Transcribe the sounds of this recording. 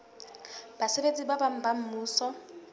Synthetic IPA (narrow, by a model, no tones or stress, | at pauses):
basebet͡sʼibabam̩bam̩muːsɔ